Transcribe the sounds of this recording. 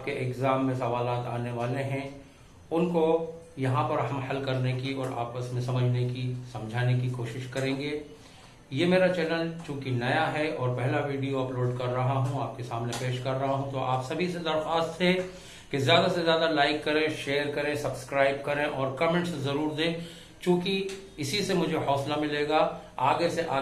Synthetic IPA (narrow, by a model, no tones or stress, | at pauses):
aːp̚keʔɪkzaːmːẽsɐʋaːlaːt̪aːneʋaːleɦɛ̃ | ʊnkojɐɦãpɐɾɦɐmhɐlkɐɾnekiɔːɾa̰ːpəsmẽsɐməd͡ʒʱnekisɐ̃md͡ʒʱaːnekikoːʃɪʃkɐɾẽːŋɡeː | jeːmeːɾat͡ʃɛːlənt͡ʃũːkinɐjaɦɛɔːɾpɛɦlaʋiːɖijoɐploːɖkɐɾːɐɦaɦũaːp̚kesaːmnepeːʃkɐɾːɐɦaɦũt̪oʔaːpsɐbʱised̪ɐɾxaːst̪ɦẽ | kezjaːd̪asezjaːd̪alaːɪkːɐɾẽʃeːəɾkɐɾẽsɐbskɾaːɪb̚kɐɾẽʔɔːɾkɐmẽːɳʈszɐɾuːɾd̪ẽː | t͡ʃũːki | ɪsisemʊd͡ʒʱeɦɔːslamɪleːɡaaːɡeseʔaː